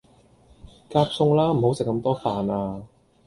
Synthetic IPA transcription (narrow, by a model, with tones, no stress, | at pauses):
kaː˧p̚sʊ˧ŋlaː˥m̩˨˩ho˨˥wsɪ˨kːɐ˧mt̪ɔː˥faː˨naː˧